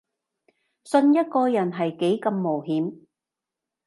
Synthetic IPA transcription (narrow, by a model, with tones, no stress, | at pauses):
sɵ˧njɐ˥t̚kɔː˧jɐ˨˩nɦɐ˨jke˨˥jkɐ˧mːo˨˩wɦiː˨˥m